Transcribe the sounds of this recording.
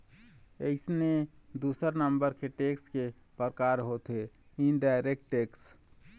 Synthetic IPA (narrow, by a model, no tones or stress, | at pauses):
əɪsned̪usəɾnəmbəɾkeʈekske | pɾəkaɾɦot̪ɦe | inɖaɪɾek̚ʈʈːeks